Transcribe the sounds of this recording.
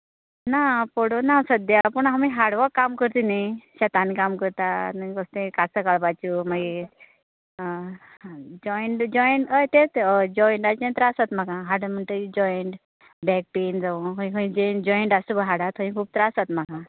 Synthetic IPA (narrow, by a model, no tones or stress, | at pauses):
napɔɽonasəd̪japəɳɦamiɦaɽʋakːamkəɾt̪inajɕat̪anikamkəɾt̪anəkəst̪ẽkasəkaɽpat͡ɕumaɡe | d͡ʑɔjɳʈd͡ʑɔjɳʈəjt̪et̪d͡ʑɔjiɳʈat͡ɕẽnt̪ɾasat̪m̤akãɦaɽəm̤əɳt̪əid͡ʑɔjəɳʈ | bɛk̚ʈend͡zaʋuɦəĩkəĩd͡ʑɔɳd͡ʑɔjiɳʈasəbəɦaɽat̪ə̃ĩkʰuːb̚t̪əɾasat̪m̤aka